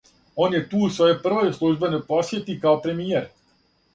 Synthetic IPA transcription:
onjɛt̪uːusʋojopr̩ʋojslˠuʒbɛnojposjet̪ikaopɾemijeɾ

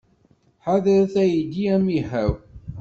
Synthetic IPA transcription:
ħaðəɾθæjid̪iæmihæw

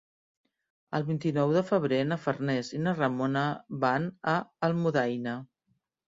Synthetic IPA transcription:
əlˠβint̪inɔwðəfəβ̞ɾenəfərnɛzinərəmonəβanəːlˠmuðajnə

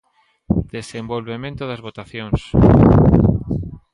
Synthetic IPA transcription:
d̪̥esembolβemẽnt̪oðɐzβot̪aθjoŋs

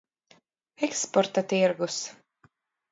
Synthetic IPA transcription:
ɛkspɔɾt̪at̪iɾɡus

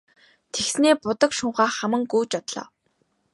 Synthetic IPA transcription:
t̪ʰeksneːpʊt̪ə̆kʃʊɴχaːχæmə̆ŋɡujt͡ɕɔt̪ɮɔ̰ː

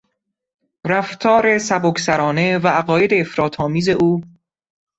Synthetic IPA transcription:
ɾæft̪ʰɒːɾe̞sæboksæɾɒːne̞væʔæɢɒːje̞d̪e̞ːfɾɒːt̪ʰɒːmiːze̞ʔuː

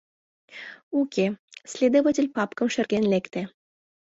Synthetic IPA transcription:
ukʲesʲlʲed̪ovatʲelʲpɑpkɤ̆mʃɘ̆rɡʲenlʲekt̪ĕ

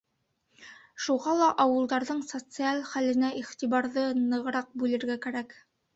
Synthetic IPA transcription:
ʃuʁɑlˠɑʔɑwɤ̆lˠd̪ɑɾðɤɴsot̪sɨalχælɘ̆næʔiχt̪iβɑɾðɤnɤ̆ʁɤ̆ɾɑq̚bʉlɘ̆ɾɡækæɾæk

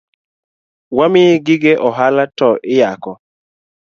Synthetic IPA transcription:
wamɪɡɪɡɛʔɔɦalatɔʔɪjakɔ

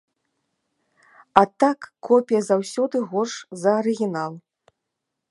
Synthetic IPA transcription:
at̪akːɔpʲijɐzawsʲɔd̪ɨɣɔʂzɐːɾɨɣʲinalˠ

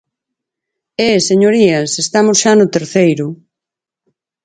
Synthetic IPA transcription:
eseɲoɾiɐsest̪amʊsʃanʊt̪eɾθejɾʊ

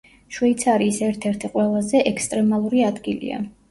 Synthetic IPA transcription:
ʃwɛit̪sʰaɾiːsɛɾt̪ʰɛɾt̪ʰiqʼwɛlˠazɛʔɛkst̪ʼɾɛmalˠuɾiad̪ɡilḭa̰

